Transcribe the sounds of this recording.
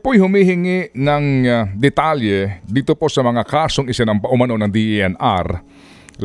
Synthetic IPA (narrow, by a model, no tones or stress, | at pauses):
pojhʊmihɪŋɪʔnɐŋd̪ɛt̪aljɛd̪iːt̪opo̞sɐmɐŋakaːsoŋɪsɪnɐŋpɐʔʊmɐno̞nɐŋd̪iʔʔɛna̰ɾ